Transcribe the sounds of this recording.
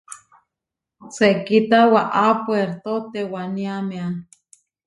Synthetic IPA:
sekit̪awaʔapoeɾt̪ot̪ewaniamean

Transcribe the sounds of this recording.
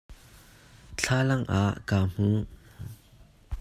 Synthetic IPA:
t͡ɬʰaːlɐŋʔaʔkaːm̥u

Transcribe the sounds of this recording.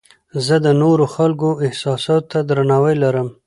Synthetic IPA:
zəd̪ənoɾoxalkoɪhsɑsɑt̪t̪ːad̪ɾanɑwəjlaɾəm

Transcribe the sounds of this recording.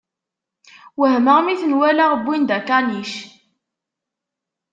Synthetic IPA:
wəɦməʁmiθnwælaʁbːind̪ækaniʃ

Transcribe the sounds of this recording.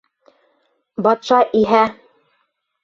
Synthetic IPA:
bɑt̪ʃɑʔiɦæ

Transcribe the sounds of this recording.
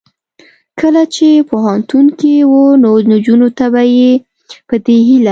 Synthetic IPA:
kəlat͡ʃepoɦant̪unkewənonod͡ʒunot̪abaje | pəd̪eɦila

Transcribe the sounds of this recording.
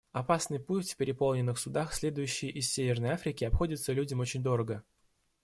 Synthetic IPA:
ɐpasnɨjputʲfʲpʲɪɾʲɪpolˠnʲɪnːɨxsʊd̪axsʲlʲe̞d̪ʊjʉɕːɪjʔɪsʲsʲevʲɪrnəjafɾʲɪkʲɪɐpxo̞dʲɪt̪səlʲudʲɪmo̞t͡ɕɪnʲd̪o̞ɾəɡə

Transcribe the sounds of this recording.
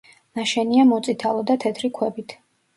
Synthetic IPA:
naʃɛniamɔt̪sʼit̪ʰalˠɔd̪at̪ʰɛt̪ʰɾikʰwɛbit̪ʰ

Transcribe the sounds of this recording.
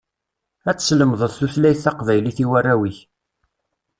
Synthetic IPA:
æt͡sːsləmðˤəðˤθuθlæjθːɑqvæjliθiwærːæwiç

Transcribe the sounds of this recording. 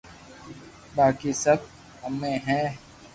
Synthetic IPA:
baːkisət̪̚ | əmẽɦɛ̃ː

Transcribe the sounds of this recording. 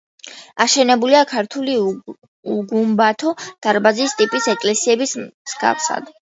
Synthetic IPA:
aʃɛnɛbuliakʰaɾt̪ʰuli | uɡumbat̪ʰɔd̪̥aɾbazist̪ʼipʼisɛkʼlɛsiɛbismz̥ɡa̰fsa̰d̪

